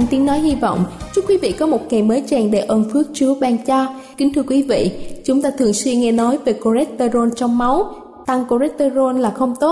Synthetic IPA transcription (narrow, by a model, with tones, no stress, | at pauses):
nt̪i˨˦əŋnɔ˨˦jhi˧vɔ̰˧˨wŋ͡mt͡ɕu˦˥kwi˨˦vḭ˧˨kɔ˨˦mo˨˩t̚ŋa˨˩jməː˨˦jt͡ɕɛː˨˩ŋɗe˧˩ʔə˨˩nfɨ˦˥ək̚t͡ɕɨ˨˦əɓaː˧nt͡ɕa˧ | kï˨˦ŋ̟t̪ʰɨ˧əkwi˨˦vḭ˧˨t͡ɕʊ˨˦ŋ͡mt̪aː˧t̪ʰɨ˨˩əŋswi˧ŋɛ˧nɔ˨˦jve˨˩ko˧zɛ˦˥k̚t̪əː˧zo˧nt͡ɕɔ˧wŋ͡mma˨˦w | t̪a˧ŋko˧zɛ˦˥t̚t̪əː˧zo˧nlaː˨˩xə˧wŋ͡mt̪o˦˥t̚